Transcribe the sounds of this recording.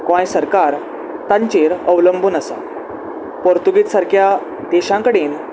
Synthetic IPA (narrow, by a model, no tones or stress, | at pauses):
kʋãjsəɾkaɾ | t̪ãɲt͡ɕeɾəʋləmbʱuːnəsa̰ | pɔɾt̪uɡit͡s̪saɾkʰja | d̪eɕãkəɽiːn